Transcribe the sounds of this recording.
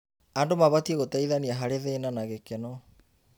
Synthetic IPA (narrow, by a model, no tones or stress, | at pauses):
andomaβatieɣotɛiðaniaɦaɾeðeːnanaɣekɛnɔ